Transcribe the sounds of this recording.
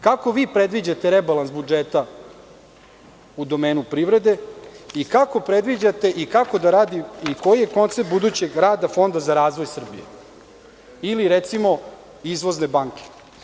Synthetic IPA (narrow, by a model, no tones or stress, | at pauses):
kako̞ʋiːpɾed̪ʋid͡ʑat̪e̞ɾebalˠansbud͡ʒet̪a | ud̪o̞me̞ːnupɾiʋɾe̞d̪e̞ikako̞pɾed̪ʋid͡ʑat̪e̞ʔikako̞d̪aɾaːd̪iiko̞jije̞ko̞nt̪set̪̚bud̪uːt͡ɕe̞ɡɾaːd̪afo̞nd̪azaɾaːzʋo̞jsr̩bḭjḛ | iliɾet̪simo̞ | izʋo̞zne̞baːŋke̥